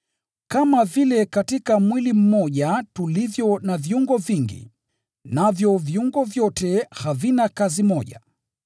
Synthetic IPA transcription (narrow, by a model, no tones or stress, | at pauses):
kamavilɛkatikamwilim̩mɔʄatulivjɔnaviuŋɡɔviŋɡḭ | navjɔviuŋɡɔvjɔtɛhavinakazimɔʄa̰